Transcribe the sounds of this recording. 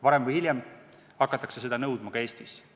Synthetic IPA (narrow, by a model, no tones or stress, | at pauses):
vɑɾemvɯjhilʲjem | hɑkːˑɑt̪ːˑɑkse̞se̞d̪ɑnɤwd̪̥mɑɡ̥ɑe̞ːst̪is